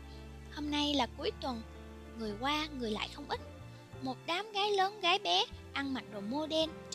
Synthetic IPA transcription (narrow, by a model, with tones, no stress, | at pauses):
ho˧mna˧jlaː˨˩ku˨˦əjt̪wə˨˩n | ŋɨ˨˩əjkwaː˧ŋɨ˨˩əjla̰ː˧˨jxə˧wŋ͡mʔï˦˥t̟̚ | mo˨˩t̚ɗaː˨˦mɣaː˨˦jləː˨˦nɣaː˨˦jɓɛ˨˦ʔa˧nma˨˩t̚ɗo˨˩mo˧ɗɛ˧n